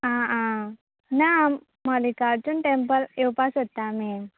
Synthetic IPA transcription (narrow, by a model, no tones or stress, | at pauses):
ãã | namː | alikaɾt͡ɕunʈempəlewpasɦot̪ːame